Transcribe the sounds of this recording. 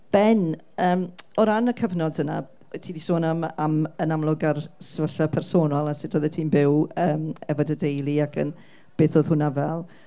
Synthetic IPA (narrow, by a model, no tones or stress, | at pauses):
b̥ɛn | əːmɔɾanəkʰəvnɔdəna̰ | tʰiːnisoːnamamənamlˠʊɡarsvəɬapʰɛrsoːnɔlˠasɪdoːðɛtʰiːnbɪwəːmɛvɔdədejlˠiakʰə̰n | b̥eːθoːð̥hʊnavɛlˠ